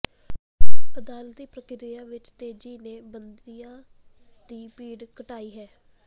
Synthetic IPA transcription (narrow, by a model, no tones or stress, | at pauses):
əd̪aːlt̪iːkɾəkɪɾɪjaːʋɪt͡ʃt̪eːd͡ʒiːneːbənd̪ijãː | d̪iːpiːɽkəʈaːiːɦɛː